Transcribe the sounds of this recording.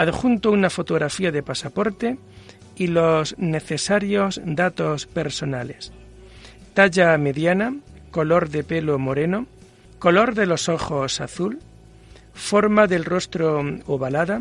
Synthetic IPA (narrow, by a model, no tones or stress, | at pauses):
aðxunt̪ounafo̞t̪o̞ɣ̞ɾafiaðe̞pasapo̞ɾt̪e̞ | ilo̞zne̞θe̞saɾjo̞zd̪at̪o̞spe̞ɾso̞nale̞̰s | t̪aʎame̞ðjanako̞lo̞ɾðe̞pe̞lomo̞ɾe̞no̞ | ko̞lo̞ɾðe̞lo̞so̞xo̞sa̰θul | fo̞ɾmaðe̞lro̞st̪ɾooβalaða